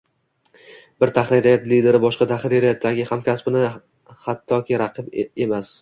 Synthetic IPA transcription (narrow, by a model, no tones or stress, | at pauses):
bɪɾt̪ʰaχliɾijat̪lid̪e̞ɾɪbɒʃqɑt̪ʰaχiɾijat̪ʰːaɡʲɪhamkʲasbɪnɪ | hat̪ʰːɒkʲʰɪɾaqʰɨbe̞mas